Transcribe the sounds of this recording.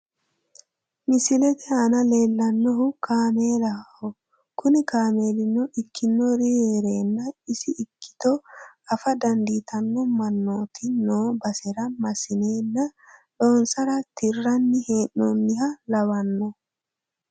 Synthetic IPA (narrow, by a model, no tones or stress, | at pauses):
mɪsɪlɛt̪ɛɐnɐle̞ːlːɐnːɔɦʊkʰaːmeːlɐhɔ | kʊnɪkaːme̞ːlɪnːɔɪkʰːɪnːɔɾieːɾeːnːɐɪsɪʔːkːɪ̥t̪ɔɐfɐd̪ɐnd̪iːt̪ʰɐnːɔmɐnːoːt̪ɪnoːbɐsɛɾɐmɐsɪneːnːɐᶑoːnsɐɾɐt̪ɪrːɐnːɪheːnːɔnːɪɦɐlɐwɐnːɔ